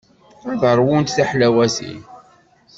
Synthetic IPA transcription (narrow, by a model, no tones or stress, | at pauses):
æðəɾˤwʊnt̪θaħlæwæsḭ